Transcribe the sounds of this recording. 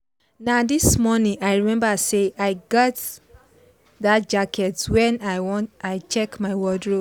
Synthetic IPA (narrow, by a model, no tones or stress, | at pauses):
nadismɔnĩaɪɹimɛ̃mbaseʔaɪɡɔt | ðatd͡ʒakʰɛtwɛ̃naɪwɔ̃aɪt͡ʃɛkmaɪwɔdɹo